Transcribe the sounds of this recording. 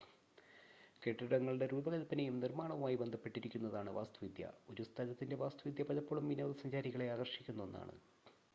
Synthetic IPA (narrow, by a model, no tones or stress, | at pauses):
keʈːiɽɐŋːɐɭɨɽe̞ɾuːbɐɣɐlɐpːɐnejumnirmaːɳɐʋumaːjibend̪ʱɐpːe̞ʈːiɾikʲːunːɐðaːɳɨʋa̰ːst̪uʋid̪jɐ̰uɾust̪ʰɐðɐt̪ːinde̞ʋaːst̪uʋid̪ʱjɐpɐlɐpːoːɭumːʋinɐːɐðɐsɐɲd͡ʑaːɾiɣɐɭe̞aːɡɐrɕikʲːunːɐonːa̰ːɳɨ̰